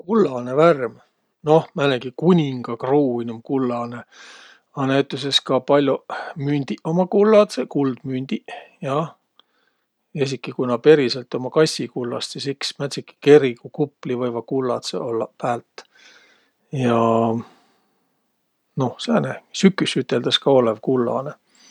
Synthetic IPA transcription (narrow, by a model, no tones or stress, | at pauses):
kulːɑneværm | no̞hmæneɡ̥ikunʲiŋɡ̥ɑkruːinʲemkulːɑne | ɑnæjt̪ːˑus̬e̞skɑpɑlʲjomynʲd̪̥iʔo̞mɑkulːɑt̪sekuld̪̥mynd̪̥ʲijɑ | es̬ikːˑikunɑpe̞ɾiselt̪ːo̞mɑkɑsʲikulːɑ̰st̪sisiksmæt̪ʲsikːi̥ke̞ɾikukuplivɤjvɑkulːɑ̰t̪sḛolːɑpæːlt̪ːˑ | jɑ | no̞hseɑnæsykːˑysyt̪ːˑeld̪̥ɑskɑolevkulːɑ̰ne